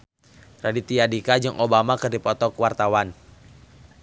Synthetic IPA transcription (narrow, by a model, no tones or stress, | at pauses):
radit̪iadikad͡ʒɨŋʔobamakɨrdipɔt̪ɔkwart̪awan